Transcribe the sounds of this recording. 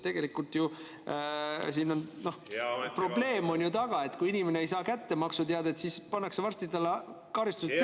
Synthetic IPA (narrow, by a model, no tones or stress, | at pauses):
t̪e̞ɡ̥e̞likːult̪ˑju | siːno̞nno̞hpro̞b̥le̞ːmo̞nʲjut̪ɑɡ̥ɑe̞t̪kujinime̞neejs̬ɑːkæt̪ːe̞mɑksut̪eɑd̪ɑet̪ːˑsiːspɑnːɑksevɑrst̪id̪ɑlːe | kɑɾist̪use